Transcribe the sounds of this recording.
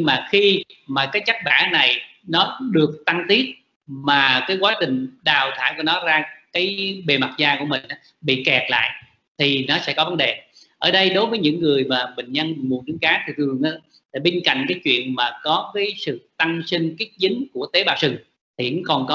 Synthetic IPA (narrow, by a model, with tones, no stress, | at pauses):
ɲŋmaː˨˩xi˧maː˨˩kaː˨˦jt͡ɕa˦˥k̚ɓa̰ː˧˩˦na˨˩j | nɔ˨˦ɗɨ˨˩ək̚t̪a˧ŋt̪i˦˥ət̚ | maː˨˩kaː˨˦jkwaː˨˦t͡ɕï˨˩ŋ̟ɗaː˨˩wt̪ʰa̰ː˧˩jku˧˩ənɔ˨˦zaː˧kaː˨˦jɓe˨˩ma˨˩t̚zaː˧ku˧˩əmï˨˩ŋ̟ʔaː˨˦ | ɓḭ˧˨kɛ˨˩t̚la̰ː˧˨jʔ | t̪ʰi˨˩nɔ˨˦sɛ̰˧˥kɔ˨˦və˨˦nɗe˨˩ | ʔəː˧˩ɗə˧jɗo˨˦jvəː˨˦jɲɨ̰˧˥ŋːɨ˨˩əjmaː˨˩ɓï˨˩ŋ̟ɲə˧n˨˩mu˨˩ntɨ˨˦ŋkaː˨˦t̪ʰɨ˧˨˩t̪ʰɨ˨˩əŋʔaː˨˦˥ | aː˧˩ɓe˧ŋ̟ka̰˧˨jŋ̟kaː˨˦jt͡ɕwḭ˧˨ənmaː˨˩kɔ˨˦kaəː˨˦jsɨ̰˧˨t̪a˧ŋsi˧ŋ̟ki˦˥ət̚zï˨˦ŋku˧˩ət̪e˨˦ɓaː˧˩wsɨ˨˩ŋ | t̪ʰi˨˩˨ɨ˨˦ŋkɔ˨˩nkɔ˨˦